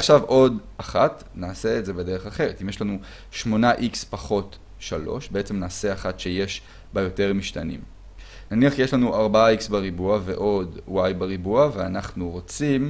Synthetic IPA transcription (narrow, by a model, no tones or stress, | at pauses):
aχʃavʔo̞d | aχat | naːse̞ːtzebede̞ʁeχaχe̞ʁetimjeʃlanu | ʃmo̞naʔikspaχo̞t | ʃalo̞̰ʃbee̞t͡se̞mnaːse̞aχatʃeje̞ʃ | bajo̞te̞ʁmiʃtanḭm | naniaχʃejeʃlanuʔaʁbaaiksbeʁibuave̞̰ʔo̞dwajbeʁibuaveanaχnuʁo̞t͡sim